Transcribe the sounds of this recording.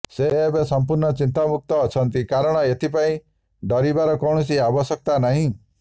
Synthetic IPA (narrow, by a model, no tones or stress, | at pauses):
seːbesɔmpuɾnɔt͡ʃint̪amuk̚t̪ɔːt͡ʃʰɔnt̪ikaɾɔɽ̃ɔet̪ʰipaĩ | ɖɔɾibaɾɔkɔwɽ̃ɔsiabɔsɔk̚t̪anaɦĩ